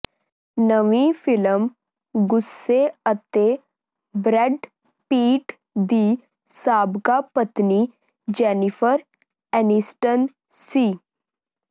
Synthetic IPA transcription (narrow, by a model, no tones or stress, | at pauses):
nəʋĩfiləm | ɡusːeət̪e | bɾɛɖ | piːʈ | d̪iː | saːbkapət̪ni | d͡ʑɛnifəɾ | ɛnisʈən | si